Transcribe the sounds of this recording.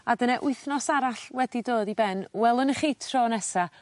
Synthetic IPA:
adənɛʔʊɨθnɔsaɾaɬwɛdidoːðibɛnwɛlˠənəχiːtʰr̥oːnɛsa

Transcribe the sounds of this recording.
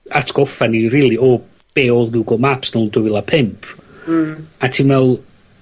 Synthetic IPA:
atʰɡ̥ɔfaniriːlˠiɔ | b̥eːɔlˠɡɪwɡɔmapsnɔlˠndʊwɪlˠapʰɪmpʰ | atʰiːnvɛwlˠ

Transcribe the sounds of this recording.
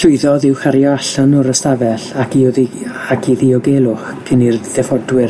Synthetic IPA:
ɬʊɨðɔðɪwχaɾjɔaɬanɔɾəstavɛɬakʰiɔðiakʰiðiɔɡelˠʊχkʰənirð̥ɛfɔdwɪr

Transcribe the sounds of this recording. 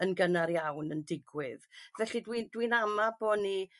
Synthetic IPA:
ənɡənaɾjawnəndɪɡwɪðvɛɬidwindwinamaboːni

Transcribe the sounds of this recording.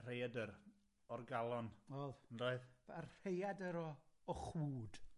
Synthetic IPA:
r̥ejadəɾ | ɔrɡalˠɔnɔlˠnroːɨðarrejadəɾɔɔχuːd̥

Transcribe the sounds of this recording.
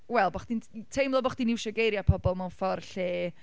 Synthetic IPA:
wɛlˠbɔχd̥intʰejmlˠɔbɔχd̥inɪwʃɔɡejɾjapʰɔbɔlˠmawnfɔrɬeː

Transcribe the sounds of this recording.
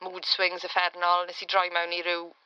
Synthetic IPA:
muːd̥swɪŋzəfɛrnɔlˠnɛsidrɔjmawniɾɪw

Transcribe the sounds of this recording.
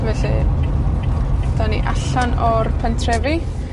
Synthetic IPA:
vɛɬɨ | d̥ɔnḭʔaɬɔnɔrpʰəntʰrɛvi

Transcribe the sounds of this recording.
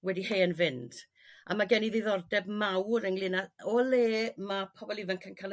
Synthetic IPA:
wɛdiheːənvɪnd̥ | ʔa̰maɡɛniðeðɔrdɛbmawɾəŋlɪnaɔleːmapʰɔbɔlˠivənkʰənkʰalˠ

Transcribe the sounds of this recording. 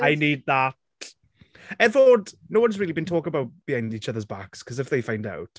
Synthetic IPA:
aɪniːd̪̚ðat | ɛdvədnoʊwʌ̃nzɹiːlibĩntʰɔːkɪ̃ŋəbawt̚b̥iãɪ̃ndiːt͡ʃəðəzba̰kskʰʌzɪfðeɪfãɪ̃nda̰wt

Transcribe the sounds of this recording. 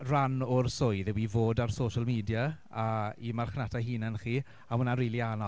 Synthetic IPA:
ranʊrsʊjðɛwivoːdarsoːʃəlˠmiːdja | aimarχnatʰaɦiːnənχiː | ahʊnariːlˠiaːnɔ

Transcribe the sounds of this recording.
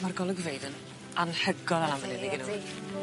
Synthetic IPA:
marɡɔlˠəɡvejdən | anħəɡɔðalamvənɛðiɡɪnu

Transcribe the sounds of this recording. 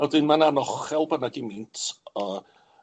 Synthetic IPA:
ɔdɪnmananɔχɛlˠbənaɡɪmɪntʰə

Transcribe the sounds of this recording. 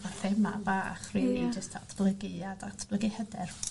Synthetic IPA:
varθɛma̰baːχrinid͡ʒəstʰatʰb̥lˠəɡɨadatʰb̥ləɡɨhədɛr

